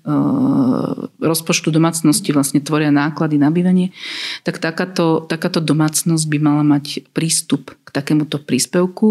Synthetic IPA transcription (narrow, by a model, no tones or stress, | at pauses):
ɾɔspɔt͡ʃt̪ud̪ɔmaːt͡snɔsciʋlasɲɛt̪ʋɔɾɪanaːklad̪inabiːʋaɲɪɛt̪akt̪akaːt̪ɔt̪akaːt̪ɔd̪ɔmaːt͡snɔzɟ̚bimalamacpɾiːst̪upkt̪akɛːmut̪ɔpɾiːspɛʊku